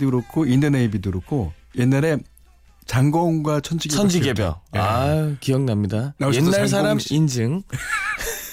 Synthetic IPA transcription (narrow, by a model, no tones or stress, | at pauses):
dɯɾokʰoindʌneibidɯɾokʰoje̞nːaɾe̞ | t͡ɕaŋɡʌŋɡwat͡ɕʰʌnd͡ʑiɡeʌnd͡ʑiɡebjʌ̰a̰kiʌŋnamɲidanaenːaɭs̬ʰaɾamind͡ʑɯŋ